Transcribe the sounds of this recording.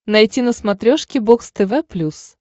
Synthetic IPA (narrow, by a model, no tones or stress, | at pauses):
nɐjtʲinəsmɐt̪ɾʲoʂkʲɪbokst̪ɛvɛplʲus